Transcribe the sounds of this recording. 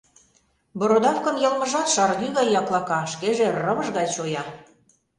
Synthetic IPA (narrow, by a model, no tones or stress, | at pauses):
boɾod̪ɑfkə̆njɤ̆lməʒɑt̪ʃɑrɣyɣɑjːɑklˠɑkɑʃkeʒĕrəβə̆ʒɣɑt͡ɕojɑ